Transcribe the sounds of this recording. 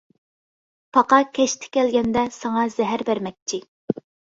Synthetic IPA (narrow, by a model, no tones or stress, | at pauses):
pʰɑqɑkʲʰɛʃt̪ʰɪ̥kʲɛlɡʲɛnd̪ɛsɑŋɑz̥ɛɦæɾbæɾmɛk̚ʲt͡ʃʰi